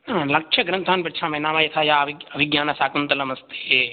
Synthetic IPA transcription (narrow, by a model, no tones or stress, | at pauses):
nalɐkʃʰɐɡɾɐ̃nt̪ʰaːnpɐʈt͡ʃʰaːmɐ̃nãːmãjet̪ʰaːjaːʋɐʋɪɡjaːnasaːkɐnt̪ɐlɐmɐst̪e̥e